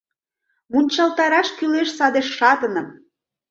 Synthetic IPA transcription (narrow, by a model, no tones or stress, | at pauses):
munʲt͡ɕɑlt̪ɑɾɑʃkyleʃsɑd̪eʃːɑt̪ənə̆m